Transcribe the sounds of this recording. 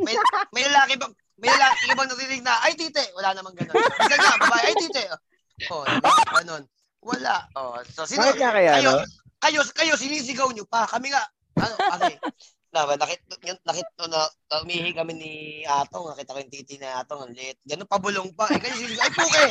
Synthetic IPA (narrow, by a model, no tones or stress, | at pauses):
mɐjmɐjlɐlaːkɪbɐŋ | mɐjlɐlaːkkɐbɐŋnɐɾiːnɪɡ̚naʔɐjt̪iːt̪ɛʔwɐlanɐmɐŋɡɐnond̪ɐnɲaɐbɐbaːɛʔɐjt̪iːt̪ɛʔʔ | ʔod̪ɐbaɡɐno̞n | wɐlaʔososɪaoakɐjaɐjo | kɐjoskɐjo̞s̬ɪniːs̬ɪɡɐwɲopɐkɐmɪŋaʔ | ʔɐnoasɛ | nabɐnɐkɪt̪̚ʊnɐkɪt̪̚onɐ | ɐʔʊmiːhɪkɐmɛniʔaːt̪oŋnɐkit̪ɐkojʊŋt̪iːt̪ɪniʔaːt̪oŋɐnlɛt̪̚ɡɐnonpɐbʊloŋpaʔɐjkɐjosɪniːsɪɡawʔɐjpuːkɛ